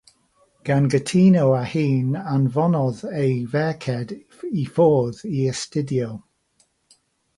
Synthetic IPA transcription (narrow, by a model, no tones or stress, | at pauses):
ɡ̥anɡətʰiːnowahiːnanvɔnɔðejvɛɹkʰɛd | ifoːðiəstɪdjo